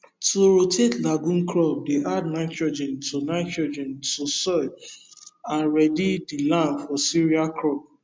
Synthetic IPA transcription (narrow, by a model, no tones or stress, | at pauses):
tuɾotʰetlaɡũnkɾɔb̚deʔadnaɪtɹɔd͡ʒɛ̃ntʰunaɪtɹɔd͡ʒɛ̃ntusɔ | aɹɛdidilãnfɔsiɹiakɾɔp̚